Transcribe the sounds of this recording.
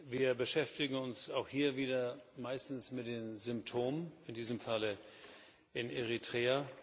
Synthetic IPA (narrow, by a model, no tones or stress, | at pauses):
viːɐbəʃɛftɪɡŋ̩ʊnsaʊxhiːɐviːdɐmaɪstn̩smɪtd̥eːmzʏmp̚tʰoːmənɪndiːzəmfalə | ʔɪneʁitʁ̥eːa